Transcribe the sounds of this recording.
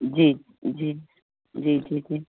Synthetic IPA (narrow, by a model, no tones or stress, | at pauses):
d͡ʒi | d͡ʒiː | d͡ʒid͡ʒid͡ʒi